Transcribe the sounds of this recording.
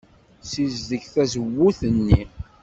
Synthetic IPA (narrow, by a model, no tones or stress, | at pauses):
sizðəçθæzəwːuθənːi